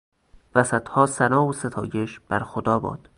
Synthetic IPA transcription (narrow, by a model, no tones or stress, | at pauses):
væsæt̪hɒːsænɒːose̞t̪ʰɒːjeʃb̥æɾxod̪ɒːbɒ̰ːd̪̥